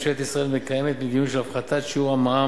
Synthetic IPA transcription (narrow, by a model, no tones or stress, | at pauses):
ʃeet̪isʁae̞lmekajemet̪med̪inuʃelafχat̪atʃiuamaa